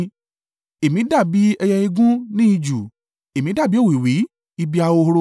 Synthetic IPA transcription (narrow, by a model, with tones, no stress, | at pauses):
e˨mĩ˨˦da˦˨bi˨˦ɛ˧jɛ˧i˧ɡũ˦nĩ˦i˧d͡ʒu˨ | e˨mĩ˨˦da˦˨bi˨˦o˦˨wi˨wi˨˦ | i˧bi˦˧a˧wo˧hɾo˧